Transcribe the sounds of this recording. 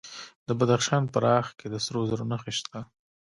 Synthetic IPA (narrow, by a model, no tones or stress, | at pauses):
d̪əbad̪axʃɑnpəɾɑxked̪əsɾozaɾonaxeʃt̪ʰa